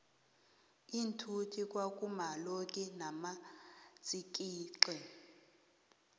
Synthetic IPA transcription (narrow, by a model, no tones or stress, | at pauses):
intʰutʰikʼwakʼumalokʼɛnamat͡sʼik̬ʼiːǁɛ